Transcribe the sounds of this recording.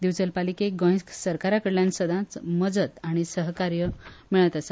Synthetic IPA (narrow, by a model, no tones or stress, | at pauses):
d̪iwt͡səlpalikeɡə̃j̃sksəɾkaɾakəɽljãnsəd̪ʱãt͡sməd͡zət̪aɽ̃isəɦkaɾjəmiɭət̪asa